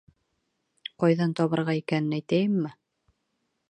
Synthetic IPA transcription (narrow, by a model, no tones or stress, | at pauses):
qɒjðɑnt̪ɒβɤ̆ɾʁɑikænɘnæjt̪æjɘmːɘ